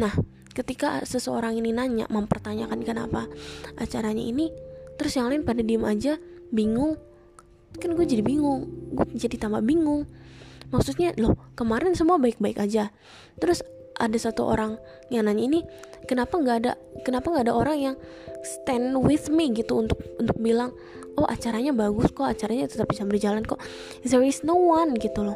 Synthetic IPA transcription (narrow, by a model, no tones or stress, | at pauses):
nah | kət̪ikasəsəo̰ɾaŋininaɲa̰məmpərt̪aɲakankəna̰paat͡ʃaɾaɲa̰init̪əɾʊsjaŋlaɪnpadadiəmad͡ʒabiŋʊŋ | kanɡuɛd͡ʒadibiŋʊŋɡuɛd͡ʒadit̪ambabiŋʊŋmaksʊt̪̚ɲalɔhkəmaɾɛnsəmuabaɪk̚baɪkad͡ʒa | t̪əɾʊs | ʔa̰dasat̪uʔo̰ɾaŋ | jaŋnaɲainikənapaŋɡaːda̰ | kənapaŋɡaːdaʔoɾaŋjaŋ | st̪ɛnwɪθmiɡit̪uːnt̪ʊk̚ʊnt̪ʊk̚bilaŋ | oʔa̰t͡ʃaɾaɲabaɡʊskoat͡ʃaɾaɲait̪ut̪apisanbərd͡ʒalanko | ðɛɾɪsnowanɡit̪ulɔh